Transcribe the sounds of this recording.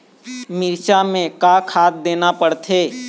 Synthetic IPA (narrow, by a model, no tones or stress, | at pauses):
mɪɾt͡ʃamẽkakʰaːt̪̚d̪eːnapəɽt̪ʰeː